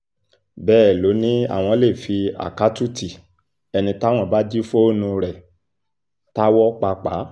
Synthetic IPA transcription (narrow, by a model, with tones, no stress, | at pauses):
bɛː˦˨lo˨˦nĩ˦a̰˦˨w̃ɔ̃˧le˦˨fi˧a̰˨ka˨˦tu˦ti˨ | ɛ˧nĩ˧ta˦w̃ɔ̃˧˨ba˦d͡ʒi˦fo˦nũ˧ɾɛ˨ | ta˦wɔ˦k͡pa˧k͡pa˨˦